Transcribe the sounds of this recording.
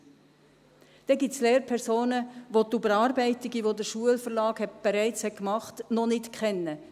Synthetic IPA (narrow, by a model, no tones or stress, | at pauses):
d̪̥ɛɡitt͡sleːɾpʰɛɾsoːnəʋotubəɾɑːɾbɛɪtiɡiʋod̪əɾʃuəlfəɾlɑːkhɛt̚b̥ɛɾɛɪt͡shɛt̚kmɑχtnɔnɪtkχɛnːə